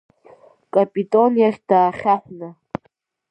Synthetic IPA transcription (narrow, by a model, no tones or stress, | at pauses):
kʼapʼitʼonjaχʲd̥aːχʲaχʷna